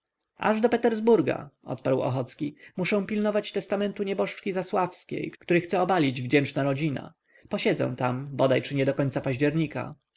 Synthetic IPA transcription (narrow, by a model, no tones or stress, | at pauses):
a̰ʐd̪ɔpɛt̪ɛɾzbuɾɡa̰ɔ̰t̪̚paɾwɔ̰xɔt̪skʲimuʂɛ̃w̃pʲilnɔvat͡ɕt̪ɛst̪amɛnt̪uɲɛbɔʂt͡ʂkʲizaswafskʲḛjkkt̪uɾɘxt̪sɛɔbalʲid͡ʑvd͡ʑɛnt͡ʂnaɾɔd͡ʑina̰ | pɔɕɛd̪zɛ̰̃w̃t̪ambɔd̪ajt͡ʂɘɲɛd̪ɔkɔɲt̪sapaʑd͡ʑɛɾɲika̰